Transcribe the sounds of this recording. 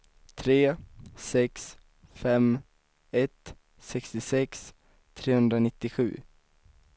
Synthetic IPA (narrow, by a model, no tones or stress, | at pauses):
t̪ʰɾeːsɛks | fɛm | ɛt̪ | sɛkst̪ɪsɛks | t̪ʰɾeːhɵnd̪ɾanɪt̪ːɪɧʉ̟̰ː